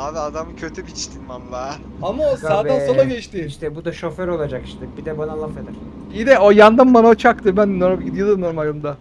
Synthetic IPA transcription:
anad̪amɯcʰøt̪ʰybit͡ʃt̪ʰinmanla | amasaːd̪ansonaɟɛt͡ʃt̪iiʃt̪ɛbud̪aʃo̞føɾo̞lˠad͡ʒaki̥ʃt̪ɛbid̪ɛbanalˠafed̪æɾ̥ | id̪ɛojand̪anbanaot͡ʃʰak̚t̪ʰɯbænnoɾabɟid̪ijod̪ˠɯmnoɾumalʲɯmd̪a

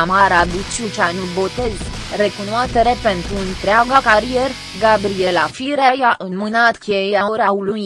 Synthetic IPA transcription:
amaɾabit͡ʃut͡ʃanubot̪e̞z | re̞kunoast̪e̞ɾe̞pe̞nt̪ɾuɨnt̪ɾeaɡakaɾijer | ɡabɾielafiɾajaʔɨnmɨnat̪kʲejeaoɾaulu

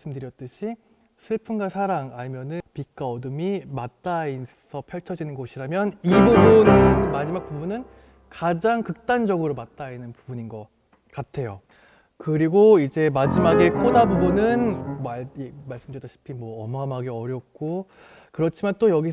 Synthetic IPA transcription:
s͈ɯmdɯɾjʌt̚t͈ɯɕʰi | sʰɯɭpʰɯnɡasʰaɾaŋamjʌnɯpik͈aʌdɯmimat̚t͈ai | sʰʌpʰjʌɭt͡ɕʰʌd͡ʑinɯnɡoɕʰiɾamjʌnibubunɯmad͡ʑimak̚pubunɯn | kad͡ʑaŋkɯk̚t͈and͡ʑʌɡɯɾomat̚t͈ainɯnpubuɲinɡʌ | k͈atʰe̞jo | kɯɾiɡoid͡ʑe̞mad͡ʑimaɡe̞kʰodabubunɯnmamaɭs͈ɯmdɯjʌtʰaɕʰi̥pʰinmwʌːmamɦaɡeʌɾjʌk̚k͈o | kɯɾʌt͡ɕʰimant͈ojʌɡi

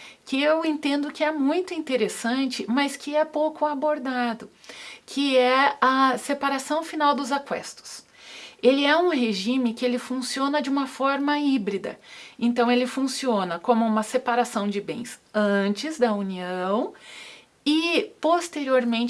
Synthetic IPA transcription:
kɪewẽnt̪ẽnd̪ʊkɪɛmũj̃t̪ʊĩnt̪eɾesɐ̃nt͡ʃɪmɐskɪɛpowkʊaboɾd̪ad̪ʊkʰɪɛɐsepaɾasɐ̃w̃finawd̪ʊzakwɛ̰st̪ʊ̥s | elɪɛũɦeʒĩmɪkɪelɪfũsiõnɐd͡ʒɪũmɐfɔɾmɐibɾid̪ɐ̰ẽnt̪ɐ̃w̃elɪfũsionɐkõmʊũmɐsepaɾasɐ̃w̃d͡ʒɪbḛ̃j̃sɐ̃t͡ʃɪzd̪ɐuniɐ̃w̃ | ɪpost̪eɾioɾmẽnt͡ʃ

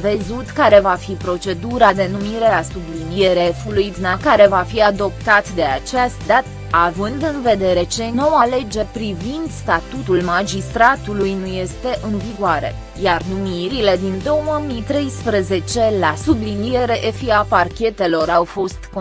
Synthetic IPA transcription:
vezut̪kaɾe̞vafipɾo̞t͡ʃe̞d̪uɾad̪e̞numiɾe̞asublinije̞ɾefulujd̪unakaɾe̞vafiad̪o̞p̚t̪at̪d̪e̞at͡ʃast̪d̪at̪ | avɨnd̪ɨnve̞d̪e̞ɾe̞t͡ʃe̞no̞wale̞d͡ʒe̞pɾivind̪st̪at̪ut̪ulmad͡ʒist̪ɾat̪ulujnuje̞st̪e̞ʔɨnviɡoaɾe̞̰ | jarnumiɾile̞d̪ind̪o̞wmit̪ɾe̞jspɾəze̞t͡ʃe̞lasublinije̞ɾe̞ʔefiaparkʲe̞t̪e̞lo̞ɾawfo̞st̪ko

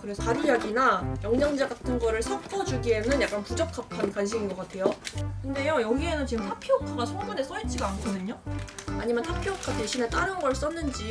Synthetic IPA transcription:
kɯɾe̞sʰʌaɾujaɡinajʌŋɲʌŋd͡ʑaɡatʰɯnɡʌɾɯɭsʰʌk̚k͈ʰʌd͡ʑuɡie̞nɯnjak͈anpud͡ʑʌkʰapʰankanɕʰiŋinɡʌk͈atʰe̞jokɯnde̞jʌjʌɡie̞nɯnt͡ɕiɡɯmtʰapʰikʰaɡasʰoŋmune̞s͈ʌit͡ɕʰiɡaːnkʰʌdɯɲoaɲimjʌnhʰapʰjookʰate̞ɕʰinet͈aɾɯnɡʌɭs͈ʌnːɯnd͡ʑi

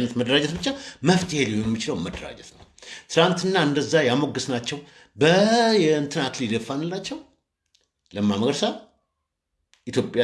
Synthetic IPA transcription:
nːət̪məd̪əɾad͡ʒɛt̪bɨt͡ʃːaməft̪ʰihelihojɛmːit͡ʃɪləwməd̪əɾa̰d͡ʒɛt̪nəwt̪ʰɨlant̪ʰɨnːaɨnd̪əzːajamo̞ɡɨsnat͡ʃːɛw | bəjɛɨnt̪ʰɨnaklid̪əfːanɨlːat͡ʃːɛw | ləmːaməɡɾsa | ʔit̪ʰjo̞pʼːja

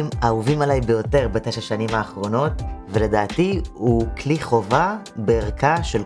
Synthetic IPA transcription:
mauvimalajbejo̞te̞ʁbateʃaʃanimaːχʁo̞no̞tvele̞daːtihukliχo̞va | beːʁkaʃel

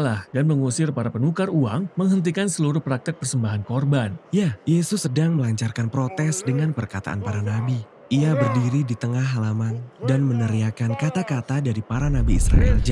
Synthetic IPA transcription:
lahdanməŋusɪrpaɾapənukaruaŋməŋɦənt̪̬ikansəluɾʊhpɾak̚t̪ɪk̚pərsəmbaɦankɔrbanjajesʊsːədaŋməlaɲt͡ʃarkanpɾot̪ɛsdəŋanpərkat̪a̰ʔa̰npaɾanabi | iabərdiɾidit̪əŋaɦalamandanmənəɾiakankat̪akat̪adaɾipaɾanabiːsɾa̰ɛld͡ʒ

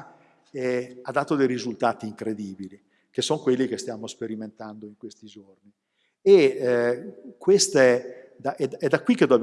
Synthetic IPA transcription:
ɛad̪ːaːt̪od̪ejɾizult̪aːt̪iːŋkɾed̪iːbili | k̟esːoŋkwelːik̟est̪jaːmospeɾiment̪and̪oiŋkwest̪id͡ʒorni | e | kwest̪aɛ | d̪aʔɛd̪ɛd̪ːakːwikːed̪o

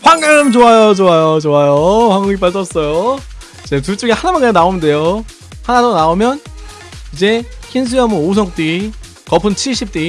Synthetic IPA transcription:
ɸwaŋɡɯɾɯmt͡ɕoajot͡ɕoajot͡ɕoajoɸwaŋɡɯŋip͈aɭt͡ɕ͈ʌs͈ʌjo | t͡ɕetuɭt͡ɕ͈oɡihanamanɯanaomnde̞jo | hanadonaomjʌn | id͡ʑe̞çʰins̬ʰɯjʌmɯos̬ʰʌŋ̚t͈i | kʌpʰɯnt͡ɕʰiɭɕʰip̚t͈i

